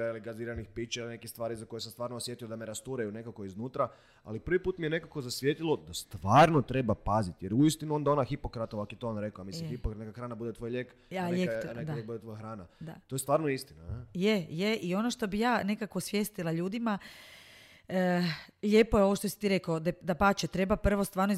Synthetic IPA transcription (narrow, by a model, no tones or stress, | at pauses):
ailiɡaziːɾanixpit͡ʃilinekist̪ʋaːɾizakojesamst̪ʋaːɾnoːsje̞t̪ijod̪ameɾast̪uɾajune̞kakoiznuːt̪ɾa | a̰lipɾ̩ʋipuːt̪mije̞ne̞kako̞zasʋjet̪ilod̪ast̪ʋaːɾnot̪ɾe̞bapazit̪jeɾuist̪inuo̞nd̪ao̞naxipokɾat̪oʋakjet̪oonɾe̞koamislimxipokɾat̪nekaxɾaːnabud̪et̪ʋojʎek | aeened̪aekbud̪et̪ʋojxɾaːnad̪at̪ojest̪ʋaːɾnoist̪inajejeʔio̞no̞ʃt̪o̞bijaːne̞kako̞sʋje̞st̪ilaʎuːd̪ima | əʎʲe̞ːpojeo̞ʋoʃt̪o̞si̥t̪iɾe̞kod̪d̪apat͡ʃet̪ɾe̞bapr̩ʋo̞st̪ʋaːɾno